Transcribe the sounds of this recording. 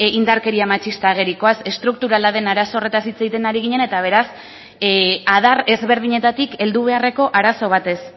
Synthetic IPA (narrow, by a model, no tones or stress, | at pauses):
ind̪aɾke̞ɾiamat͡ʃist̪aɣe̞ɾiko̞ase̞st̪ɾuk̚t̪uɾalaðe̞naɾasore̞t̪asit͡sajt̪e̞naɾiɣiɲe̞ne̞t̪aβ̞e̞ɾas | að̞are̞zβe̞ɾð̞iɲe̞t̪at̪ike̞ld̪uβe̞are̞ko̞ʔaɾaso̞β̞at̪e̞s